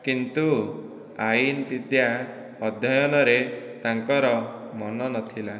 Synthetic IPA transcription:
kint̪u | ajinpid̪ja | ɔd̪ʱjɔjɔnɔɾet̪aŋkɔɾɔmɔnɔnɔt̪ʰila

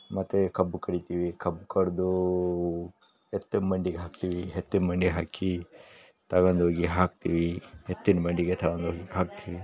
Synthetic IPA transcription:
mɐt̪ːekɐbukɐɽit̪iʋikɐbkɐɽd̪u | et̪ːunmɐɳɖiɡeɦaːk̚t̪iːʋiɦet̪ːinmɐɳɖiɦaːki | t̪ɐɡond̪ɦoːɡiɦaːkt̪iʋihet̪ːinbɐɳɖiɡet̪ʰɐɡond̪ɦoːɡiɦaːk̚t̪iʋi

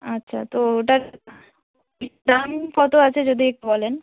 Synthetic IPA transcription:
atːɕʰa̰t̪ooʈaɾ | ɖ̪amfɔt̪oat͡ɕʰed͡ʑod̪ʱiek̚ʈubɔlen

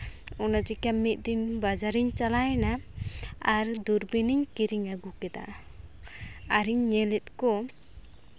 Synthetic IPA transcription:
ɔnad͡ʒikamːit̪̚ˀd̪iɲbad͡ʒaɾiɲt͡ʃalajna | aɾd̪uɾbiniɲkiɾiŋaɡukɛd̪a̰ | aɾiɲːɛlɛt̪̚kɔ

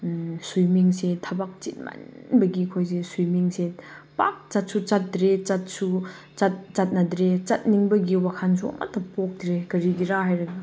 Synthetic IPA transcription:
sujmiŋsetʰɐbak̚t͡ʃit̚ma̰nbɐɡikʰojs̬esujmiŋsepak̚t͡ʃɐt̚sut͡ʃɐt̚dɾet͡ʃɐt̚su | t͡ʃɐt̚t͡ʃɐt̚nɐdɾet͡ʃɐt̚niŋbɐɡiwakʰans̬uɐ̰mʔa̰tːɐpok̚dɾekɐɾiɡiɾahajɾɐɡa

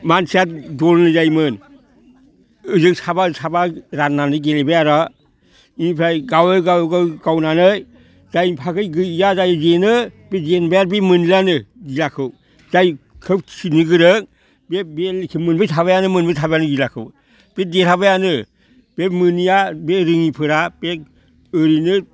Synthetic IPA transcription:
mansʰijatdɔɾnɯzajmɯn | ɯzɯk̚sʰabasʰabaɾanːanɯɡelebajaɾa | iipʰɾajɡaweɡawɡɯɡawnanɯj | zajpʰakɯjɡɯjazajɯzenɯb̥ed͡ʒenbajaɾbemɯnilanɯɡilakʰɯw | zajkʰɯp̚sʰinɯɡɯɾɯk̚ | bebelkʰimɯnbɯtʰaβajanɯmɯnbɯtʰabajanɯɡilakʰɯ̰w | b̥edetʰabajanɯ | b̥emɯnijabeɾɯŋipʰɯɾab̥e | ɯɾinɯ

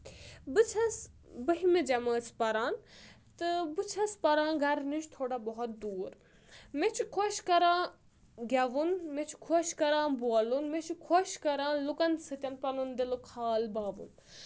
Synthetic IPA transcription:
bɨt͡sʰɐs | bəɦimed͡ʒɐməːt͡spɐɾãːn | t̪ɨbɨt͡ʃʰɐspɐɾãːɡɐɾniʃt̪ʰoːɽabɔɦɔt̪̚d̪uːɾ | met͡ʃʰukʰoʃkɐɾãː | ɡʲɐʋunmet͡ʃʰu̥kʰoʃkɐɾãːbuɐlunmet͡ʃʰukʰoʃkɐɾãːnlukɐnsɨt̪ʲɐnpɐnund̪ilukʰaːlbaːʋṵn

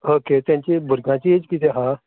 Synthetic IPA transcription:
oːkeːt̪ɛ̃ɲt͡ʃebʊɾɡãːt͡ʃid͡ʒkiːt̪eɦãː

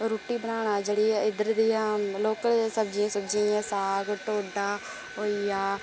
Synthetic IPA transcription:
ɾuːʈːiːbənaːɽ̃aːd͡ʒeɽiːɪd̪əɾd̪ijãːloːkəlsəb̚d͡ʒĩːsəbd͡ʒĩãːsaːɡʈoːɖaː | ɦoːijaː

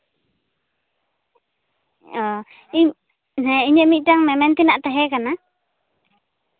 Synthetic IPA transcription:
ɔ | i | nɛiɲəmiʔtaŋmɛmɛnt̪inaʔt̪aɦɛkana

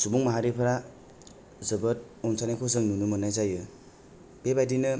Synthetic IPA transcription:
subuŋmaɦaɾipʰɾa | zɯbɯt̚ | ɔnsʰanakʰɔzɯŋnunumɯnajzajɯ | b̥ebajdinɯ

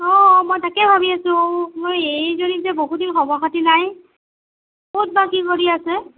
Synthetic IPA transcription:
ɔmojtakɛbʱabiasʊ̃omojejzonizɛboɦudinxɔbɔxatinaj | bot̚bakikoɹiasɛ

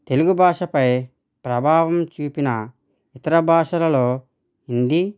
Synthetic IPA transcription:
t̪e̞luɡubʱaːʂɐpɐj | pɾɐbʱaːʋɐmt͡ʃuːpinɐ | it̪ɐɾɐbʱaːʂɐlɐloː | ind̪i

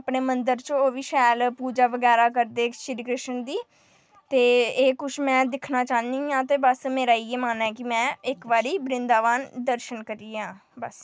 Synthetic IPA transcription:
pɳeːmənd̪əɾt͡ʃooːʋiːʃɛːlpuːd͡ʒaːʋəɡɛːɾaːkəɾd̪eːʃɾiːkɾɪʃənd̪iː | t̪eːeːkʊʃʰmɛ̃ːd̪ɪkʰnaːt͡ʃaːniːãːt̪eːbəsmeːɾaːiːeːmaːnɛːkɪmɛ̃ːɪkʋaːɾiːbɾɪnd̪aːʋaːnd̪əɾʃənkəɾiːãː | bəs

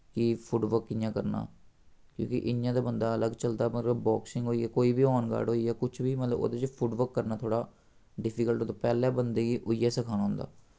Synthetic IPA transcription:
kɪpʰʊɖʋəɾkːɪjãːkəɾna̰ːkjõ̰ːkɪ̰ʔɪjãːd̪aːbənd̪aːələɡt͡ʃəld̪aːmət̪ləbbɔːksɪŋɡɦoːiːɛːkoːiːbiːɔːnɡa̰ːɽɦoːiːɛːkʊt͡ʃʰʋiːmət̪ləbo̰ːd̪eːt͡ʃpʰʊɖʋəɾkːəɾnaːt̪ʰoːɽaː | ɖɪpʰiːkəlʈoːt̪oːpɛːlɛːbənd̪eːɡiːʔʊijaːsəkʰaːnːɦʊ̃nd̪a̰ː

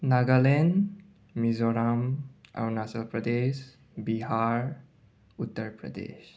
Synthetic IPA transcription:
naɡalen | mizɔɾama̰wnasalpɾəd̪es | biɦaɾ | ut̪ːəɾpɾə̰d̪ḛs

